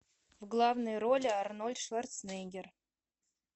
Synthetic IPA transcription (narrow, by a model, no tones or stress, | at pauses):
vɡlˠɑvnəjɾolʲɪɑrnolʲʂvart̪sneɡʲer